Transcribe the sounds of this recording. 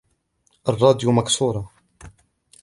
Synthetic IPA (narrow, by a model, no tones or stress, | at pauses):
ʔɑrˤːɑːd̪jumaksuːɾˤɑ